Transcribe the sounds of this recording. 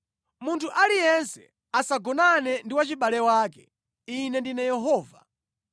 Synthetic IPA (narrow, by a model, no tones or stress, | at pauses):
muntʰuʔalijɛnsɛ̰ | asaɡɔnanɛndiwat͡ʃiɓalɛwaːkɛ | inɛndinɛjɛɦɔːva̰